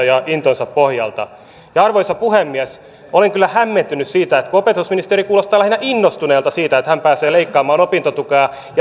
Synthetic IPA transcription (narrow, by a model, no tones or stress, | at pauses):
jɑint̪onsɑppohjɑ̰lt̪ɑ̰ | jɑɑrʋoisɑpuhemːiæs | oleŋkylːæhæmːent̪ynyssiːt̪æet̪kuopet̪usminist̪eɾikuːlost̪ˑɑːlæhinæʔinːost̪uneːlt̪ɑsiːt̪æet̪hæmpæːseːleikːɑːmɑːnopint̪ot̪ukɑɑ | j